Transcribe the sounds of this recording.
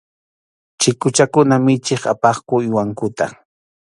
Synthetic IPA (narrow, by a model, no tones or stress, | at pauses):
t͡ʃɪkʊt͡ʃakʊnamɪt͡ʃɪχa̰pɑχkʊɪwaŋkʊt̪a̰